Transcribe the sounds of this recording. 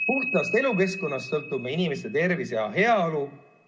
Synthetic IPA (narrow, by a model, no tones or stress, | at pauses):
puht̪ɑst̪e̞luke̞sko̞nːɑst̪sɤlt̪ːˑubmeinimest̪e̞t̪e̞rvisejɑɦe̞ɑolu